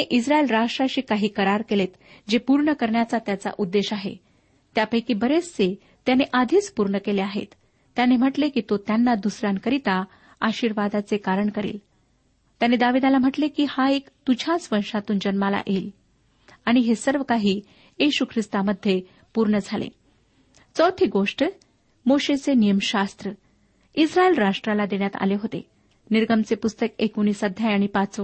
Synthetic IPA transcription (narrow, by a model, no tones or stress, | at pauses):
eʔisɾaelɾaʂʈɾaɕiːkaɦiːkəɾaɾkelet̪d͡ʑepuɾɳəkəɾɳjat͡sat̪jat͡sa̰ʔud̪ːeɕaɦḛ | t̪japəjkibəɾet͡st͡se | t̪janeʔad̪ʱiːt͡spuɾɳəkeleaɦḛt̪ː | janem̤əʈlekiːt̪ot̪janːad̪usɾjankəɾit̪a | aɕiːɾʋad̪at͡sekaɾəɳkəɾḭːl | t̪janed̪aʋid̪alam̤əʈlekiːhaekt̪ud͡ʑʱat͡sʋəɾʂat̪uːnd͡ʑənmala̰ʔel | aɽ̃iɦesəɾʋəkaɦiː | jeɕukʰɾist̪aməd̪ʱje | puɾɳəd͡zʱalḛ | t͡səwt̪ʰiːɡoʂʈ | moɕet͡senijəmɕast̪ɾə | isɾaelɾaʂʈɾalad̪eɽjat̪a̰leɦot̪ḛ | niɾɡəmt͡sepust̪əkekoñiːsəd̪ʱjajaɽ̃ipat͡sʋ